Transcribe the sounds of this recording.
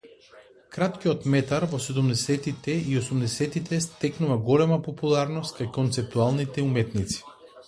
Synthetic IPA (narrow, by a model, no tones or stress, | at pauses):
kɾat̪kiɔt̪mɛt̪aɾvɔsɛd̪umd̪ɛsɛt̪it̪ɛiosumd̪ɛsɛt̪it̪ɛst̪ɛknuvaɡɔlɛmapɔpulˠaɾnɔst̪̚kajkɔnt̪sɛp̚t̪ualˠnit̪ɛumɛt̪nit̪si̥